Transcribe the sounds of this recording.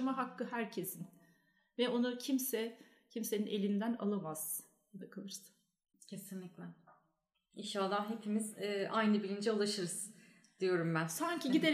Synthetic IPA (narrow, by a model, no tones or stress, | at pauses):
maɦakʰːɯɦæɾcʰe̞sin | vɛo̞nucʰimsɛ | cʰimse̞ninʔe̞lʲind̪æna̰lˠamaz̥ | jad̪akʰɯlˠɯɾsɯ̥ | cʰe̞sinlʲiclʲɛn | inʃalˠːaɦe̞pʰimizːʔajnɯbilʲind͡ʒɛulˠaʃɯɾɯz̥ | d̪̥ijo̞ɾumbænsaɲcʰiɟid̪e